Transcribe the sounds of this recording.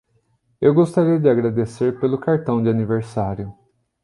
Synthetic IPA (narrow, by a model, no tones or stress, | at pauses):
ewɡost̪aɾiɐd͡ʒɪaɡɾad̪eseɾpelʊkaɾt̪ɐ̃w̃d͡ʒɪaniveɾsaɾjʊ